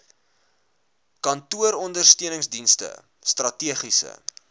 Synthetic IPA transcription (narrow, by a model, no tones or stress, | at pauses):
kɐntuəɾɔndərstiənəŋsdinstə̰ | strɐtiəχisə̰